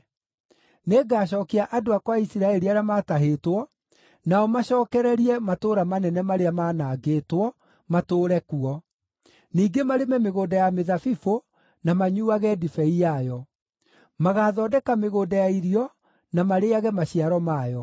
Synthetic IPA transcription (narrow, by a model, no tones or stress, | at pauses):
neɡaːɕ̬ɔkeaʔadoakwaisiɾaɛɾiaɾeamataɦetwɔ | naɔmaɕɔːkɛɾɛɾiɛmatoːɾamanɛnɛmaɾeamaːnaːɡeːtwɔ | matoːɾɛkuɔ | niːɡemaɾemɛmeɣoːdajameðafifo | namaɲuːaɣɛdifɛijajɔ | maɣaðɔːdɛkameɣoːdajaiɾiɔ | namaɾeaɣɛmaɕiaɾɔmaːjɔ